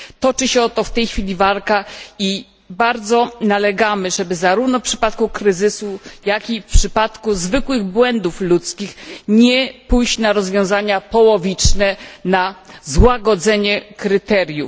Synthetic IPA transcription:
t̪ɔt͡ʂɘɕɛɔt̪ɔft̪ɛjxfʲilʲivalkai | baɾd̪zɔnalɛɡamɘʐɛbɘzaɾuvnɔfpʂɘ̥pat̪kukɾɘzɘsujakifpʂɘpat̪kuzvɘkwɘɣbwɛnd̪uflut̪skʲixɲɛpujɕt͡ɕnaɾɔzvʲjɔ̃zaɲapɔwɔvʲit͡ʂnɛnazwaɡɔd̪zɛɲɛkɾɘt̪ɛɾʲjuf

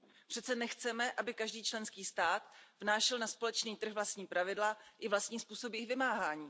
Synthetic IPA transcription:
pr̥ɛtt͡sɛnɛxt͡sɛmɛʔabɪkaʒdiːt͡ʃlɛnskiːst̪aːt̪vnaːʃɛlnaspo̞lɛt͡ʃniːt̪r̩ɣvlast̪ɲiːpɾavɪdlaʔɪvlast̪ɲiːspuːso̞bjɪxvɪmaːɦaːɲiː

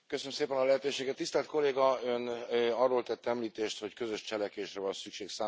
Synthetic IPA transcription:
køsønmseːpɛnɒlɛɦɛt̪øːʃeːɡɛt̪ːist̪ɛlt̪̚ko̞lːeːɡɒønɒrːoːlt̪ɛt̪ːɛmliːt̪eːʃt̪ho̞ckø̞zøʃt͡ʃɛlɛkʋeːʃrɛvɒnsykʃeːksaː

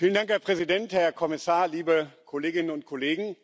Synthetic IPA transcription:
fiːlən̩daŋkhɛːɐpʁ̥ɛzidɛnthɛɐkʰɔmɪsaːɐliːbəkʰɔleːɡɪnənʊnt̚kʰɔleːɡŋ̩

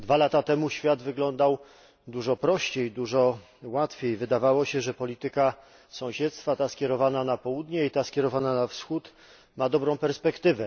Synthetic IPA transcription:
d̪valat̪at̪ɛmuɕfʲjad̪vɘɡlɔnd̪aw | d̪uʐɔpɾɔɕt͡ɕejd̪uʐɔ | wat̪fʲjejvɘd̪avawɔɕɛʐɛpɔlʲit̪ɘka | sɔ̃w̃ɕɛt̪st̪fat̪askʲjɛɾɔvananapɔwud̪ɲɛit̪askʲɛɾɔvananafsxut̪ | mad̪ɔbɾɔ̃w̃pɛɾspɛkt̪ɘvɛ

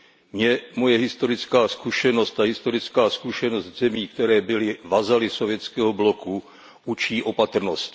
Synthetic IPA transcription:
mɲɛmo̞jɛɦɪst̪o̞ɾɪt͡skaːskuʃɛno̞st̪aɦɪst̪o̞ɾɪt͡skaːskuʃɛno̞st̪zɛmiːk̚t̪ɛɾɛːbɪlɪvazalɪsovjɛt͡skɛːɦoblo̞ku | ʔut͡ʃiːʔo̞pat̪r̩nost̪

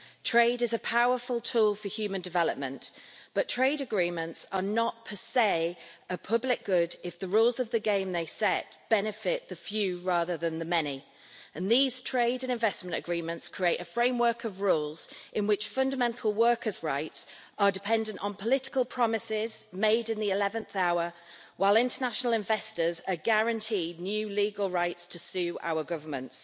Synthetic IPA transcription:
tʰɹ̥eɪɾɪzəpʰaʊəfəlˠtʰuːlˠfəhjʉːmə̃ndɪvɛləp̚mə̃nʔb̥ʌtʰɹ̥eɪɾəɡɹĩːmə̃ntsənəʔ̚pʰəseɪəpʰʌblɪk̚ɡ̥ʊdɪfðəɹuːlˠzəvðəɡẽɪ̃mðeɪsɛʔ̚b̥ɛnɪfɪʔðəfjʉːɹɑːðəðə̃nðəmɛni | ə̃nðiːz̥tʰɹ̥eɪɾə̃nɪ̃ɱvɛsmə̃ntəɡɹĩmə̃ntskʰɹ̥ieɪtəfɹẽɪ̃mwɜ˞kʰəvɹuːlˠz̥ʔɪ̃nwɪt͡ʃfʌ̃ndəmɛ̃ntʰˡl̩ˠwɜˑkʰəzɹaɪts | ʔədɪpʰɛ̃ndə̃nʔn̩pʰəlɪtɪ̥kəlˠpʰɹ̥ɒmɪsɪzmeɪdɪ̃nðiɪlɛvə̃nθaʊə | waɪlˠɪ̃ntənaʃənəl̩ˠɪ̃ɱvɛstəzəɡaɹə̃ntʰiːdⁿnjʉːliːɡəlˠɹaɪtstʰəsʉːʔa̰ʊəɡʌvə˞mə̰̃nts

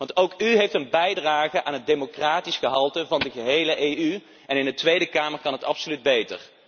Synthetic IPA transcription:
ʋɑntowkyɦejftənbɛjdraːχəʔaːnɦət̚dejmokraːtisχəɦɑlˠtəvɑndəɣəɦejləʔejy | ɛnɪndətʋejdəkaːməɹkɑnɦətɑpsolyd̚bejtə̰r

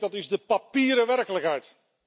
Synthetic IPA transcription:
dɑtɪzdəpapiːɾəʋɛrkələkɦɛjt

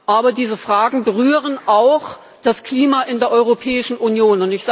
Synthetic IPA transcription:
ʔaːbɐdiːzəfʁ̥aːɡŋ̩bəʁyːʁənʔaʊx | d̥askl̥iːmaːʔɪndeːɐʔɔʏʁopʰɛːɪʃn̩ʔunjoːnʊntɪçz̥a

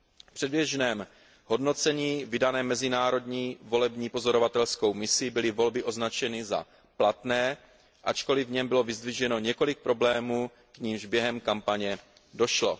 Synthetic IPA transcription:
pr̥ɛdbjɛʒnɛːm | ɦo̞dno̞t͡sɛɲiːvɪdanɛːmːɛzɪnaːɾo̞dɲiːvo̞lɛbɲiːpo̞zo̞ɾo̞vat̪ɛlsko̞wmɪsɪbɪlɪvo̞lbɪʔo̞znat͡ʃɛnɪza̰ | plat̪nɛː | ʔat͡ʃko̞lɪvɲɛmbɪlo̞vɪzd̪vɪʒɛno̞ɲɛko̞lɪk̚pɾo̞blɛːmuː | kɲimʒbjɛɦɛmkampaɲɛ | do̞ʃlo̞̰

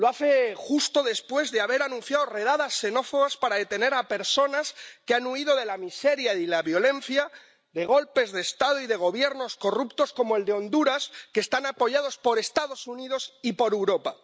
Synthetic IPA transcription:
loaθe̞xust̪o̞ðe̞spwe̞zðeaβ̞e̞ɾanũn̟θjaðore̞ð̞aðasːe̞no̞foɣaspaɾaðe̞t̪e̞ne̞ɾape̞ɾso̞naskeanuiðo̞ðe̞lamise̞ɾjailaβjo̞le̞n̟θja | ðe̞ɣ̞o̞lpe̞zðe̞ːst̪að̞oiðe̞ɣ̞o̞βje̞ɾno̞sko̞rupt̪o̞sko̞moe̞ld̪eo̞nd̪uɾaske̞ːst̪anapo̞ʝað̞o̞spo̞ɾe̞st̪aðo̞suniðo̞sipo̞ɾewɾo̞pa

